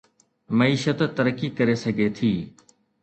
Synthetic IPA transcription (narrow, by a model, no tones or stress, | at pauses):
məiːʃət̪t̪əɾəkːikəɾesəɡʱet̪ʰiː